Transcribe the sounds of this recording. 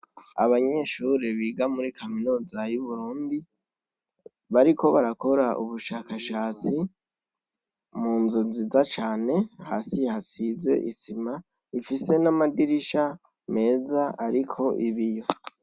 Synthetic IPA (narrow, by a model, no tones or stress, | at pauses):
aβaɲe̞ːʃuɾe̞βiːɡamuɾikʰaminuzajuβuɾuːndi | βaɾikʰo̞βaɾako̞ɾaʔuβuʃaːkaʃaːt͡si | muːnzozizat͡ʃaːne̞ha̰sihasize̞̰ʔisima | ifise̞namadiɾiʃa | me̞ːzaaɾikʰo̞ʔiβijo̞